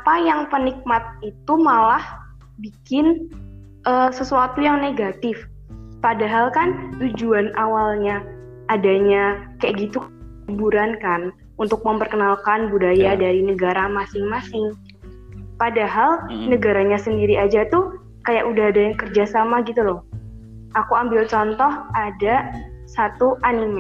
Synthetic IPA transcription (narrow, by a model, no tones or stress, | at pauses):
apajaŋpənik̚mat̪̚it̪umalah | bikɪn | ʔəsəsuat̪ujaŋneɡat̪ɪf | padaɦalkant̪ud͡ʒuanʔawalɲaː | daɲakajaʔɡit̪uk | ubuɾankan | unt̪ʊk̚məmpərkənalkanbudajadaɾinəɡaɾamasɪŋmasɪŋ | padaɦalnəɡaɾaɲasəndiɾiad͡ʒat̪u | kajaʔudaɦadajaŋkərd͡ʒasamaɡit̪ulɔh | ʔakuambɪlt͡ʃɔnt̪ɔhadasat̪uʔanim